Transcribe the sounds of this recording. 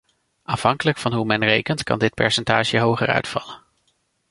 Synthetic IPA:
ʔaːfɦɑŋkələkfɑnɦumɛnrejkəntkɑ̰ndɪt̚pɛ̰ɹsɛntaːʃəɦowχərœ̰ɥtfɑ̰lən

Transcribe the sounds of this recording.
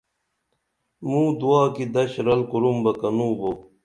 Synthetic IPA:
mũːd̪uaːkid̪ɐɕɾɐlkuɾumbɐkɐnũːbo

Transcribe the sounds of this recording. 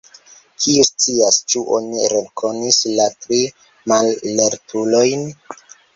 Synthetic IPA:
kʰiust͡siast͡ʃuʔo̞̰niɾeŋkʰo̞nislatɾi | malːeɾtʰulojn

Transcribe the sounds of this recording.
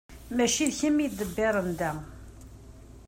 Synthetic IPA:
mæʃiðçəmːid̪əbːɪɾˤənd̪æ

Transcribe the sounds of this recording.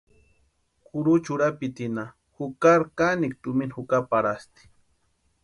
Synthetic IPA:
kʊɾut͡ʃuɾapit̪ina | hukaɾkanik̚t̪uminhukapaɾast̪i̥

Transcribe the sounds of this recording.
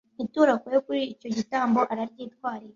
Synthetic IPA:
ituːɾakojokuɾiːco̞ɟitaːmbo̞ʔaɾaɾɟiːtkwaːɾiɾ

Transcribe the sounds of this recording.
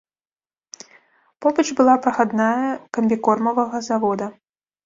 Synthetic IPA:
pɔbɐd͡ʒbɨlˠapɾɐxad̪najɐkɐmʲbʲikɔrmɐvɐɣɐzavɔd̪ɐ

